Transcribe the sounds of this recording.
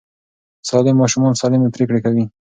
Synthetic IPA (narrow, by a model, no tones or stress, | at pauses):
sɑlɪmːɑʃumɑnsɑlɪmepɾekɽekawi